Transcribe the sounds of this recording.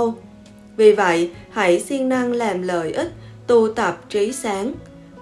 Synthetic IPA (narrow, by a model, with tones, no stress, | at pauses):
w | vi˨˩və̰˧˨jha̰˧˥˩jsi˧əŋna˧ŋlaː˨˩mlə̰ː˧˨jʔï˦˥k̚t̪u˧t̪ə˨˩p̚t͡ɕi˨˦saː˨˦ŋ